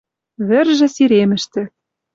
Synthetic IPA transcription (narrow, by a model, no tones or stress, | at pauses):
βɘ̆rʒɘ̆siɾemɘ̆ʃt̪ɘ̆